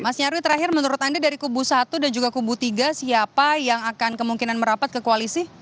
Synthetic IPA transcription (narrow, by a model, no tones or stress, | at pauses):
masɲaɾuwit̪əɾaɦɪrmənuɾʊt̪andadaɾikubusat̪udand͡ʒuɡakubut̪iɡasiapajaŋakankəmuŋkinanməɾapat̪̚kəkoalisi